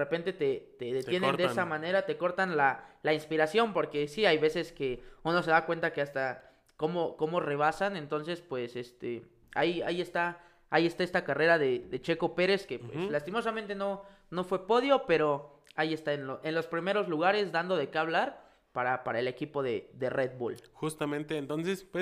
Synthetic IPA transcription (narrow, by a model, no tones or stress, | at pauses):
repe̞nt̪e̞t̪e̞t̪e̞ðe̞t̪je̞nend̪esamãne̞ɾat̪eko̞ɾt̪anlalainspiɾasjo̞mpo̞ɾke̞siajβe̞se̞ske̞uno̞se̞ðakwe̞nt̪ake̞ast̪a | ko̞mo̞ko̞mo̞re̞β̞asane̞nt̪o̞ns̬e̞spwe̞se̞st̪ḛ | a̰ja̰ie̞st̪aː | ie̞st̪ae̞st̪akare̞ɾaðe̞ðe̞t͡ʃe̞ko̞pe̞ɾe̞ske̞pwḛslast̪imo̞samẽnt̪e̞no̞ | no̞fwe̞po̞ðjo̞pe̞ɾo̞ | aie̞st̪aenloʔe̞nlo̞spɾime̞ɾo̞zluɣ̞aɾe̞zd̪and̪o̞ðe̞keaβ̞laɾ | paɾapaɾae̞le̞kipo̞ðed̪e̞red̪βulxust̪amẽ̞nt̪eːnt̪o̞nsespwe